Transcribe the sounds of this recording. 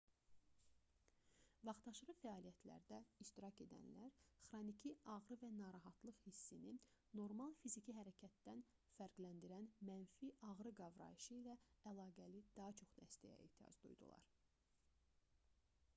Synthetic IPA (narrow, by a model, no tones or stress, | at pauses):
vɑχt̪ɑʃɾɯfæɑːlijæt̪ʰlæ̰ɾd̪æiʃt̪iɾɑce̞d̪æ̰nlæɾχɾonicʰiɑʁɾɯvænɑɾɑɦɑt̪lˠɯχhisːinino̞ɾmɑlˠfizicʰiɦæɾæcʰæt̪ːæn | fæɾɡlænd̪iɾænmænfiʔɑʁɾɯɡɑvɾɑ̰iʃɯilæælˠɑːɡælid̪̥ɑɦɑt͡ʃʰo̞χd̪æst̪æ̰jæ̰ḛht̪ʰijɑ̰zd̪ṵjd̪ṵlˠɑ̰ɾ